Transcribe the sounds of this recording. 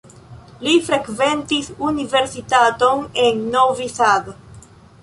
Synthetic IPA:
lifɾekvent̪isuniveɾsit̪at̪onenːovisað

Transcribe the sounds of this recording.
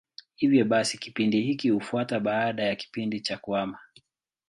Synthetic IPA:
hivjɔɓasiki̥pindihikihufuataɓaːɗajaki̥pindit͡ʃakuwama

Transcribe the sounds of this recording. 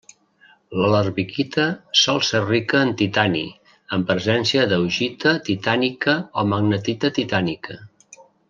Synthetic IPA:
lələɾβikit̪ʰəsɔlˠsɛrikəːnt̪it̪anḭ | əmpɾəzɛnsiəðəwʒit̪ət̪it̪anikəoməɡnət̪it̪ət̪it̪anikə

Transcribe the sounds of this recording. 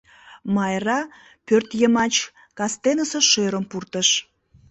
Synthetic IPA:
mɑjrɑ | pørt̪jəmɑt͡ɕ | kɑst̪enəseʃøɾəmpurt̪əʃ

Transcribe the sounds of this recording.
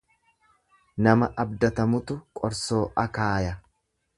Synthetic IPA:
nɐmɐʔɐb̚d̪ɐt̪ɐmʊt̪ʊkʼɔɾso̞ːʔɐkaːjɐ

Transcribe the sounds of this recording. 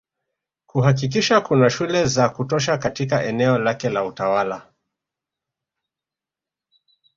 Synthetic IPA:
kuhak̬ik̬iʃakunaʃulɛzakutɔʃ̬akatikaʔɛnɛɔlakɛlautawala

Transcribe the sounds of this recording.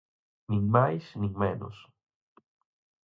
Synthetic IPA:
niŋmajsniŋmeno̰s

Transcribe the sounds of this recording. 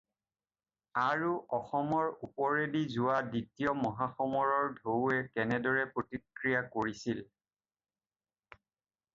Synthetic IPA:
aɹuʔɔxɔmɔɹupɔɹedizʊwaditijɔmɔɦaxɔmɔɹɔɹdʱoɛkɛnɛdɔɹɛpɹotikɹijakoɹisil

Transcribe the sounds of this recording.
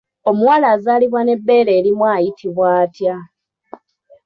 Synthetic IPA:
o̞muwaːlaːzaːliβwane̞bːe̞ːleːɾimwaːjitʰiβwaːtja

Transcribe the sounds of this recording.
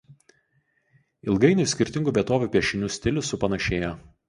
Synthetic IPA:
ɪlˠɡɐɪnʲʊsʲkʲɪɾʲt̪ʲɪŋɡuːbʲiɛt̪oːʋʲuˑpʲiɛʃʲɪnʲuːsʲt̪ʲɪlʲʊsʊpɐnɐʃʲeːjoː

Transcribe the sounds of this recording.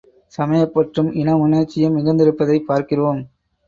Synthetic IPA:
sɐmɐjɐpːɐʈrɯmʔɪnɐmʊnɐɾt͡ʃːɪjɐmɪɣɐnd̪ɪɾɯpːɐðɐɪpːaːɾkɪrʋoːm

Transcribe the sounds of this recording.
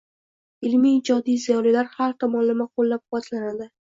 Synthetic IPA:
ɪlmiːd͡ʒɒd̪ijzijɒlilaɾhaɾt̪ʰɒmɒnlamaqʰolːap̚qʊwat̪ʰlanad̪ɪ

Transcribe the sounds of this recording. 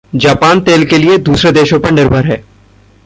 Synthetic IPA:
d͡ʒaːpaːnt̪eːlkelied̪uːsɾed̪eːʃõpɐɾnɪɾbʱəɾɦɛː

